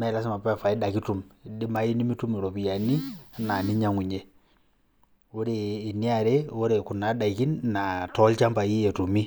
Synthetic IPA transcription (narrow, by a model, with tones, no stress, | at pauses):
ma˦˨la˦s̬i˦ma˨pa˦˨fa˨i˦da˨ki˦tu˨m˨di˦ma˦i˦ni˦mi˦tu˦mi˨ɾo˨pi˨ja˨ni˦a˦na˨ni˦ɲa˦˨ŋu˨ɲe˦ | o˦ɾeː˨ni˦a˨ɾe˦o˦ɾe˨ku˨na˨˦da˨i˨ki˦nna˨tɔ˦lt͡ʃa˦mba˨i˦je˨tu˨mi˦